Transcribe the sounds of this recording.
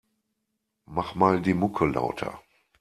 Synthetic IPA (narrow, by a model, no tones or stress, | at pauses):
maχmaːldiːmʊkʰəla̰ʊtʰɐ̰